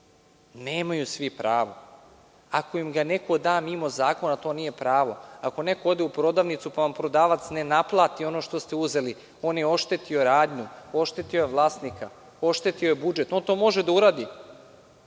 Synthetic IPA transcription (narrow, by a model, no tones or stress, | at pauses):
ne̞ːmajusʋipɾaːʋo̞ | ako̞imɡane̞ko̞d̪aːmimo̞zaːko̞nat̪o̞ːniːje̞pɾaːʋo̞ako̞ne̞ko̞od̪eupɾo̞d̪aːʋnit̪supaʋampɾo̞d̪aːʋat̪sne̞naplˠaːt̪io̞noːʃt̪o̞st̪e̞uze̞li | o̞ːnjeo̞ʃt̪e̞t̪io̞ɾaːd̪ɲuo̞ʃt̪e̞t̪iojeʋlˠaːst̪nika | o̞ʃt̪e̞t̪io̞jebud͡ʒe̞t̪o̞nt̪o̞ːmo̞ʒed̪auɾaːd̪i